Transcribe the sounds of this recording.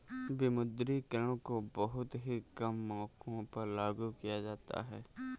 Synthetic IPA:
bɪmʊd̪ɾikəɾə̃ɽ̃kobɐɦʊt̪ɦikɐmːɔ̃ːkõpɐɾlaːɡukijad͡ʒaːt̪a̰ɦɛː

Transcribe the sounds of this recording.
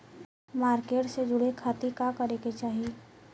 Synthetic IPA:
maːɾkeːʈsed͡ʒʊɽekʰaːt̪ikakɐɾeːket͡ʃaːɦie

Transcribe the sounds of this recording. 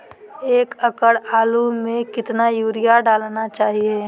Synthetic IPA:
eːkəkəɽaːlumẽkɪt̪najuːɾijaɖaːlnat͡ʃaːɦie

